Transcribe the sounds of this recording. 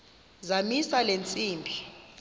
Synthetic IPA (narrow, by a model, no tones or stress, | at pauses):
zamisalent͡sʼiːmbʱi